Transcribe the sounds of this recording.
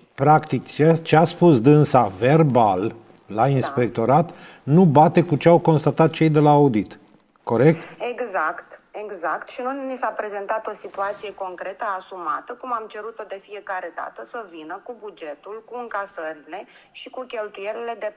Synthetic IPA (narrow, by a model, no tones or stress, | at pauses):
pɾakt̪ikt͡ʃet͡ʃeaspusd̪ɨnsave̞rbalː | ainspe̞k̚t̪o̞ɾat̪ | nubat̪e̞kut͡ʃeawko̞nst̪at̪at̪̚t͡ʃe̞jd̪e̞laːud̪it̪ | ko̞ɾe̞k̚t̪eɡzakt̪e̞ɡzakt̪ʃinunisapɾe̞ze̞nt̪at̪o̞sit̪uat̪sije̞ko̞ŋkɾe̞t̪əasumat̪əkumamt͡ʃe̞ɾut̪o̞d̪e̞fije̞kaɾe̞d̪a̰t̪əsəvinəkubud͡ʒe̞t̪ulkuɨŋkasəɾile̞ʃikukʲe̞lt̪ujelile̞d̪e̞